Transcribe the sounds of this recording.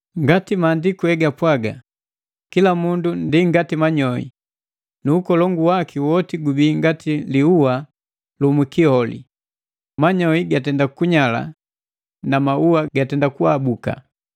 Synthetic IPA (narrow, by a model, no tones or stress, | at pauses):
ŋɡatimaːndikuhɛɡapwaɡa̰ | kilamundundiŋɡatimaɲɔḭ | nuːkɔlɔŋɡuwakiwɔtiɡubiːŋɡatiliuwa | lumikihɔlḭ | maɲɔiɡatɛndakuɲala̰ | namauwaɡatɛndakuabuka̰